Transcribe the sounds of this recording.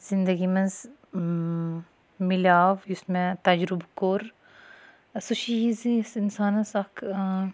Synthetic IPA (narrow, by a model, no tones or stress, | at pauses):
z̥ind̪ɐɡimɐz | milaːʋjusmɛ̃t̪ɐd͡ʒɾubkoɾ | suʃijizisinsaːnɐsɐkʰ